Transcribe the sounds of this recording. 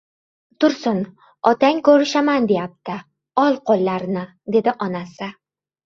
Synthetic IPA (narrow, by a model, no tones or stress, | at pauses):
t̪ʊɾsʊn | ɒt̪aŋʲkɵɾɪʃamand̪e̞jap̚t̪ɪ | ɒlˠqʰolˠːaɾnɪ | d̪e̞d̪ɪʔɒnasɪ